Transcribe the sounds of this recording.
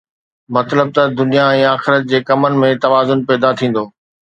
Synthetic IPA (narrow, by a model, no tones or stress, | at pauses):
mɐt̪ləb̚t̪ɐd̪ʊnijaɛ̃ːaːxɪɾət̪̚d͡ʑeːkɐmənɪ̆mẽt̪ɐʋaːzʊnpɛːd̪at̪ʰĩːn̆d̪oː